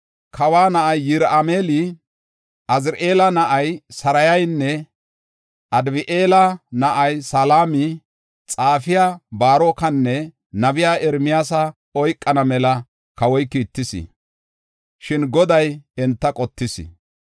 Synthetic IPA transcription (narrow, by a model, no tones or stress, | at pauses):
kʰɐwaːnɐʔɐjːɪɾameːlɪ | ʔɐzɾʔeːlɐnɐʔɐjsɐɾɐjɐjnːɛ | ʔɐd̪bɪʔeːlɐnɐʔɐjsaːlaːmɪ | t͡sʼaːfɪjaːbaːɾoːkɐnːɛ | nɐbɪjaːʔɛɾmɪjaːsɐ | ɔjkʼːɐnɐmɛlɐ | kɐwɔjkiːt̪ːɪsɪ̰ | ʃɪnɡɔd̪ɐjɛnt̪ːɐkʼɔt̪ːɪsɪ̰